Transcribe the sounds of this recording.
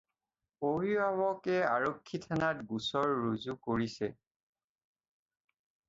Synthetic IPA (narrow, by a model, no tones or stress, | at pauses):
obibabɔkɛaɹokʰːitʰanatɡusɔɹːuzukoɹisɛ